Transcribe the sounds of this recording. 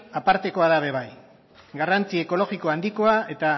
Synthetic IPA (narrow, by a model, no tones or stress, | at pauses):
apaɾt̪e̞ko̞aðaβe̞βaj | ɡarant͡sieko̞lo̞ɣiko̞and̪iko̞ae̞t̪a